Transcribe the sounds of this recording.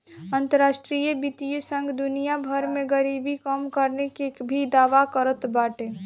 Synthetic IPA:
ə̃nt̪əɾaːʃʈɾijəbit̪ijəsə̃ŋɡd̪ʊnijabʱəɾmẽɡəɾiːbʱikəmkəɾnekebʱid̪aːʋakəɾət̪baːʈẽː

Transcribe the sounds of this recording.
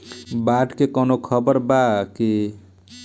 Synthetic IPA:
baʈkekɔnokʰʌbəɾbaki

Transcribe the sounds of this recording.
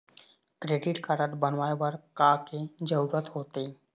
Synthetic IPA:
kɾeːɖɪʈkaɾət̪bənʋaːebaɾkaked͡ʒəuɾət̪ɦoːt̪e

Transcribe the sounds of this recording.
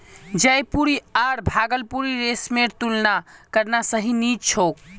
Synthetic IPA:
d͡ʒəjpuɾiaɾbʱaɡəlpuɾiɾesmeɾt̪ulnakəɾnasəɦinid͡ʒt͡ʃʰok

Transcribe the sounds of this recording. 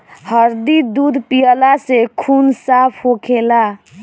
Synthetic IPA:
həɾd̪id̪ud̪ʱpijəlasekʰunsapʰɦokʰela

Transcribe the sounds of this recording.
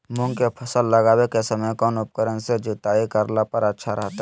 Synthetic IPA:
mʊ̃ŋɡkepʰɐsəlːɐɡaːwekesɐməjkɔːnʊp̚kəɾənsed͡ʒʊt̪aːikɐɾlapəɾətːʃʰaɾəɦt̪a

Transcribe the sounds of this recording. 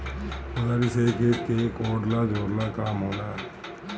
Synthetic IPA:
ʊdaɾiseket̪kekoːɖlad͡ʒoːɾlakaːmɦoːlaː

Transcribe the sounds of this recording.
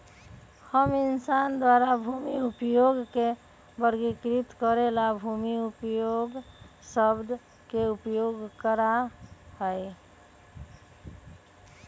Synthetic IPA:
həminsand̪waɾabʱumiupjoɡke | bəɾɡikɾit̪kəɾelabʱumiupjoɡ | səbd̪ʱ | keupjoɡkəɾahəj

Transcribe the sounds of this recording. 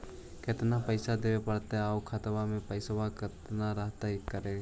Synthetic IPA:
kɪt̪napəɪsad̪eːepəɽt̪eaokʰət̪ʋamẽpəɪsʋakɪt̪naɾəɦt̪aɦikəɾe

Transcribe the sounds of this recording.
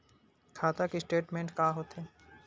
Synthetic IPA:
kʰaːt̪akisʈeːʈmẽːɳʈkaːɦoːt̪ɦɛː

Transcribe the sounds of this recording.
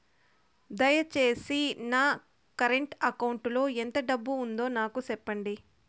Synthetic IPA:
d̪ɐjɐt͡ʃe̞ːsinaː | kɐɾeɳʈɐkɐwuɳʈlo̞ːent̪ɐɖɐbːuːnd̪o̞ːnaːkusɛpːɐɳɖi

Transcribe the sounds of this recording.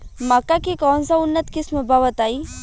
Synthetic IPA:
makːakikɔːnsaʊnːət̪kɪsməbaʋət̪aːiː

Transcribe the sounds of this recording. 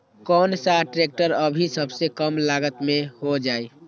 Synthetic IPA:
kɔːnsaʈɾek̚ʈəɾəbʱisəbʱsekəmlaɡət̪mẽhod͡ʒaːi

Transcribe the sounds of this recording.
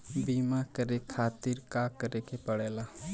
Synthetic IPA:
bimakəɾekʰaːt̪iɾkakəɾekepəɽela

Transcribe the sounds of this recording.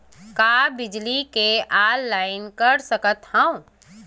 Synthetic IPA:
kaːbɪd͡ʒlikeʔaːlːaːɪnkəɾsɐkət̪hə̃õ

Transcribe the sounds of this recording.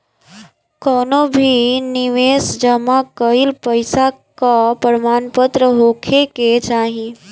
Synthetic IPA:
kɔnobʱiniʋesd͡ʒəmakəilpəɪsakapəɾmaːnpət̪ɾəɦokʰeket͡ʃaːɦi

